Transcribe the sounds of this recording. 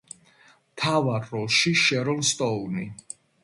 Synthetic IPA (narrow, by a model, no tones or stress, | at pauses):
mt̪ʰavaɾːɔlˠʃiʃɛɾɔlst̪ʼɔuni